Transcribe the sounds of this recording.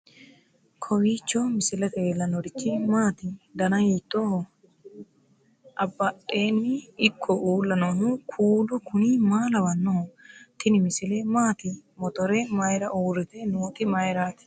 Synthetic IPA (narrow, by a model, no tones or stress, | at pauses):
kʰɔwiːt͡ʃːoːmɪsɪlɐt̪eeːlːɐnɔɾɪt͡ʃːɪmaːt̪ɪd̪ɐnɐhiːt̪ːoːh | ʔɐbːɐᶑe̞ːnːɪɪkʰːɔʔuːlːɐnomʊkʰuːlʊkʰʊniːmaːlɐwɐnːoht̪ɪnɪmɪsɪleːmaːt̪ɪmɔt̪ɔɾemɐjɾɐʔuːɾɪt̪eːnoːt̪ɪmɐjɾaːt̪ɪ̥